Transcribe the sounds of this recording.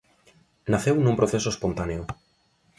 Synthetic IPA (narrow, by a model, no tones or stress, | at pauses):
naθewnũmpɾoθesoespont̪aneo